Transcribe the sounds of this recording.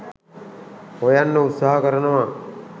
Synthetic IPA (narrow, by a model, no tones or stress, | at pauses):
hojanːəut̪saɦəkəɾənəʋa